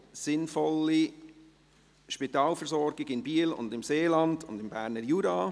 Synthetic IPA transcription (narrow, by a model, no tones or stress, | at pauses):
sɪnfɔlːi | ʃpit̪ɑːlfəɾsɔɾɡɪɡɪnbiːlʊ̰ndɪmseːlɑnd̥ʊ̰ndɪmbæːɾnəɾjuːɾɑː